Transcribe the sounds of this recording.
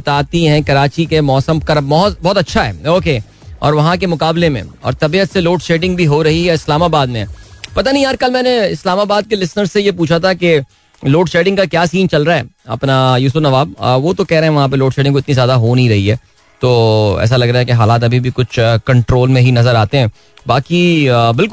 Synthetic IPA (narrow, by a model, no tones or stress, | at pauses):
bt̪aːt̪iɦɛ̃kɐɾaːt͡ʃikemɔːsə̃mkɐɾbbɔːt̪bɔːt̪ɐtːʃʰaɦɛ̰ːoːkeː | ɔ̰ːɾʋɐɦãkemʊkaːblemḛ̃ɔ̰ːɾt̪ɐbiːət̪seloːɖseːʈɪ̃ŋɡbʱiɦoɾɐɦiɦɛɪslaːmabaːd̪̚mḛ̃pɐt̪anɐĩaːɾkɐlmɛ̃ːneɪslaːmabaːd̪̚kelɪsnəɾzːejepuːt͡ʃʰat̪ʰake | loːɖseːʈɪ̃ŋɡkakjaːsiːnt͡ʃɐlɾaɦɛːɐ̰pnajuːsʊfnɐʋaːb̚ʋoːt̪okɛɦɾeɦɛ̃ʋɐɦãp̬eloːɖseːɖɪ̃ŋkoʊɪt̪nizjaːd̪aɦoːniɾɐɦiɦɛː | t̪oːɛ̰ːs̬alɐɡɾaːɦɛkeɦaːlaːt̪̬ɐbʱibʱikʊt͡ʃʰkɐ̃ɳʈɾoːlmẽɦinɐzəɾaːt̪eɦɛ̃ | baːkibɪlkʊ